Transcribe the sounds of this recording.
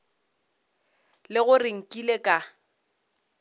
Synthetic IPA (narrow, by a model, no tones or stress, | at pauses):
lɪɣʊrɪŋ̩kʼilekʼa